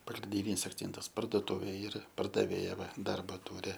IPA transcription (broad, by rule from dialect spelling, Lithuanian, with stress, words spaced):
pɐɡrʲɪnʲˈdʲɪnʲiːs ɐkˈt͡sʲɛntɐs pɐrduɔˈtʊʋʲeː ˈiːrɐ pɐrdɐˈʋʲeːjɛ ˈʋɐ ˈdɐrbɐ ˈtuːrʲɪ